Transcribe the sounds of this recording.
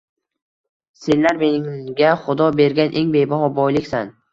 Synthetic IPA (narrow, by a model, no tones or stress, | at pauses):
se̞nlaɾme̞nɪŋɡʲaχʊd̪ɒbe̞ɾɡʲanʔe̞ŋbe̞jbaɦɒbɒjlɪkʲsan